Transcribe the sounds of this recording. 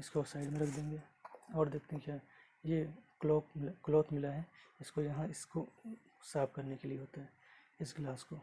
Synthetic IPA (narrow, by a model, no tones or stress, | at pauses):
ɪskosaːɪɖmẽɾɐkʰd̪ẽːŋɡeːɔːɾd̪eːk̚ʰt̪eɦɛ̃kjaːɾ | jekloːkɪkloːt̪ʰmɪlaɦɛɪskojɐɦãɪsko | saːb̚kɐɾnekelieɦoːt̪aɦɛː | ɪsɡlaːsko